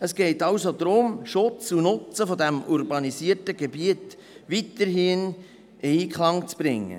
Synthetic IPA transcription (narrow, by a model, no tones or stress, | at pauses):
əsɡ̥ɛɪtɑwsod̪ɾʊmʃʊt͡sunʊt͡səfodæmurbɑnisiətəɡebiət | ʋitəɾhiːn | eikχlɑŋt͡sb̥ɾɪŋːə̰